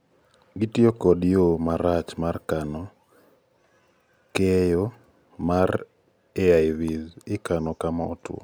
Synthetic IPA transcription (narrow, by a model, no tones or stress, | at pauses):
ɡitiokɔdjomaɾat͡ʃmarkanɔ | kɛjo | mar | eajviðɪkanɔkamaɔ̰tw̰o̰